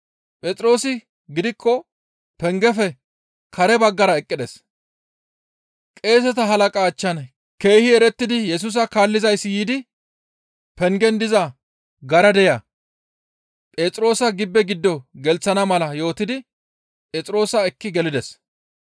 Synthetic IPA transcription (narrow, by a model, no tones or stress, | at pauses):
pʼɛt͡s̪ʼɾo̞ːsɪ | ɡɪd̪ɪkʰːɔ | pɛŋɡɛfɛ | kɐɾɛbɐɡːɐɾɐɛkʼːɪd̪ɛs | kʼe̞ːs̬ɛt̪ɐɦɐlɐkʼaːt͡ʃːɐn | ke̞ːhɪɛɾɛt̪ːɪd̪ɪjɛs̬ʊs̬ɐkaːlːɪzɐjsːjiːd̪ɪ | pɛŋɡɛnd̪ɪzɐ | ɡɐɾɐd̪ɛjɐ | pʼeːt͡sʼɾo̞ːsɐɡɪbːɛɡɪd̪ːɔɡɛlt͡sːɐnɐmɐlɐjo̞ːt̪ɪd̪ɪ | pʼɛːt͡sʼɾo̞ːsɐɛkːɪɡɛlɪd̪ɛs